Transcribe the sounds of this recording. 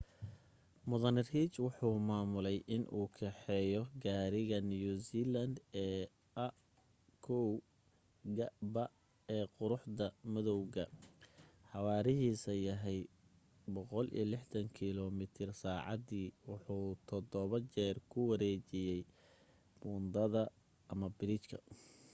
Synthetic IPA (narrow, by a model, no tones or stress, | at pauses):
mʊðɐnrhiːt͡ʃwʊħuːmaːmʊlɛjʔɪnʔuːkʰɛħɛjɔɡaːɾɪɣɐnjusiːlɐnd̪ɛː | ʔɐ | kʰɔw | ɡɐbɐ | ɛːqʊɾʊħd̪ɐmɪðɔwɣɐ | ħɑwɑːɾɪɦiːsɐjɐɦɛj | bɔqɔlḭlɪħt̪ɐŋkʰɪlɔmɪt̪ʰɪrsaːʕɑ̰d̪iːwʊħuːt̪ʰɔd̪ɔβɐt͡ʃɛːrkʰʊwɐɾɛːt͡ʃɪjɛj | bʊnd̪ɐðɐ | ʔɐmɐbɪɾɪt͡ʃkʰɐ̰